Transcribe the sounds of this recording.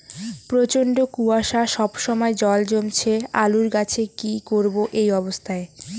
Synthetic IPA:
pɾot͡ɕoɳɖokuaʃaʃɔbʃɔmɔed͡ʑɔld͡ʑomt͡ɕʰealuɾɡat͡ɕʰekikoɾboʔejɔbost̪ʰae

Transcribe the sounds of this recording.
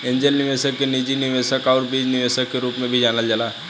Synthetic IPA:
ẽɲd͡ʑelniʋesəkːenid͡ʑiniʋesəkauɾbid͡ʑniʋesəkːeɾuːpmẽbʱid͡ʑanald͡ʑala

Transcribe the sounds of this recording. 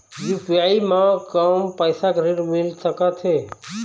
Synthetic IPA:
jupijaimekəmpəjsakɾiɾmilsəkət̪ʰɦe

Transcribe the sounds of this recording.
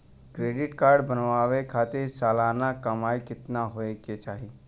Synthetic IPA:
kɾeːɖɪʈkaːɾɖbənʋaːʋekʰaːt̪eɾsaːlaːnakɐmaːikɪt̪naɦoeket͡ʃaːɦi

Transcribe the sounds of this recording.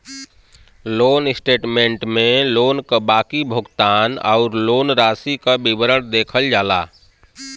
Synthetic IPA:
lonsʈeʈmeɳʈmelonkəbakibʱuɡt̪ana̰ʊɾlonɾasikəbibəɾəɽd̪ekʰəld͡ʒaːla

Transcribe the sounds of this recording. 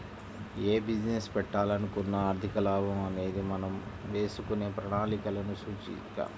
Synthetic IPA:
eːbid͡ʒnespɛʈːaːlɐnikunːɐaːɾt̪ʰikɐlaːbʱɐmɐne̞ːd̪imɐnɐmʋe̞ːsukune̞ːpɾɐnaːlikɐlɐnut͡ʃuɲt͡ʃḭka̰ː

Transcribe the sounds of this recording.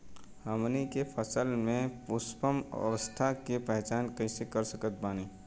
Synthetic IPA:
həmnikepʰəsəlmẽpʊspəm̰ə̰ʋəst̪ʰakepɛɦt͡ʃaːnkɐisekəɾsəkət̪̚baːniː

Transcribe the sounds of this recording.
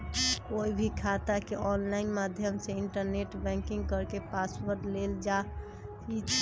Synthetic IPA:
oibʱikʰat̪akeɔnlaɪnmad̪ʱjəmseɪɳʈəɾneʈbɛ̃ŋkiŋɡkəɾkepaswəɾʈleld͡ʒa | id͡ʒ

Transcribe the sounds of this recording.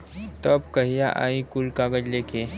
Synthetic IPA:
t̪ɔbkəɦijaʔa̰ikulkaɡəd͡ʑlekʰe

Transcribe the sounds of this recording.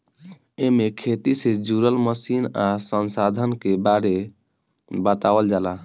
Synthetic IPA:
emekʰet̪ised͡ʒuɾəlməsinasənsad̪ʱənkebaɾe | bət̪awəld͡ʒala

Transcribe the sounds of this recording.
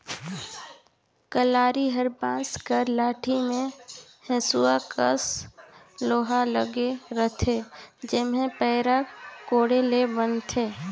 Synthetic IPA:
kəlaːɾiɦəɾbãːskəɾlaːʈʰimẽhɛ̃suakə̰s | loːɦaləɡeɾət̪ʰed͡ʒɪmɦẽpɛːɾakoːɽelebənt̪ʰeː

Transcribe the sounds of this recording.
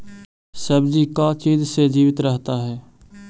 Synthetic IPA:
səbd͡ʒiːkaːt͡ʃiːzsed͡ʒiːʋɪt̪ɾəɦt̪aːɦɛː

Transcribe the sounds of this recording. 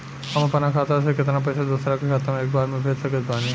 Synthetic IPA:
ɐmpɐnakʰat̪asekɪt̪nap̬ɐjsad̪ʊsɾakekʰaːt̪amẽeːk̚baːɾmẽbʱeːd͡ʒsɐket̪baːni

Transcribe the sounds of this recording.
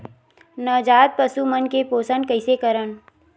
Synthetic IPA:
nəd͡ʒaːt̪̚pəsumənkepoːsənkəɪsekəɾən

